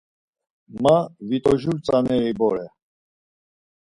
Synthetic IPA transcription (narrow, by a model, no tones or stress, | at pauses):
mavit̪ʼɔʒuɾt͡sʼanɛɾibɔɾɛ